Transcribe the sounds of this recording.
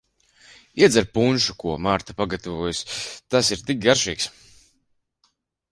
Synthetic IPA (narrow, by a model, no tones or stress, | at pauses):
iɛd̪zaɾpunʃukuɔmaɾt̪apaɡat̪avuɔjust̪asiɾt̪ik̚ɡaɾʃiːks